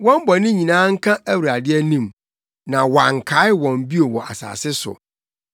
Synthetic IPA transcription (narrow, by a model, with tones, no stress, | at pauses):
wɔ̃˦m˦bɔ˨nɪ̃˦ɲĩ˨nãː˨˦ŋ̩˦kʰã˦æ˦wu˨ɾa˨dɪ˦ɛ˦nĩ˦˨m | nã˨wa˨ŋ˨kʰa˨˦ɪ˦wɔ̃˨m˨bi˦o˨wɔ˨ʔa̰˨sa̰ː˨sɪ˦sʊ̰˨